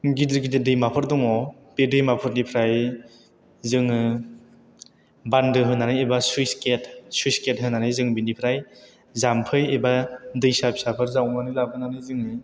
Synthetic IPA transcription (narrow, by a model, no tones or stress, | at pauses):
ɡidɾɡidedɯjmapʰɯɾdɔŋɔ | pedɯjmapʰɯɾnipʰɾaj | zɯŋɯ | bandɯɦɯnanɯjebasjsketsuisket̚ɦɯnanɯjzɯŋbinipʰɾaj | zampʰɯjebadɯjsapi̥sapʰɯɾzawmanɯlabɯnanɯjzɯŋnɯ